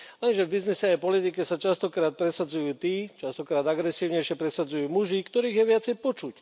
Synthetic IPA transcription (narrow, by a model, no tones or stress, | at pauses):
lɛnʒɛvbiznisɛajpɔlit̪ikɛsat͡ʃast̪ɔkɾaːt̪̚pɾɛsad͡zujuːt̪iːt͡ʃast̪ɔkɾaːd̪aɡɾɛsiːʊɲɛjʃɪɛpɾɛsad͡zujuːmuʒikt̪ɔɾiːɣjɛʋɪat͡sɛjpɔt͡ʃuc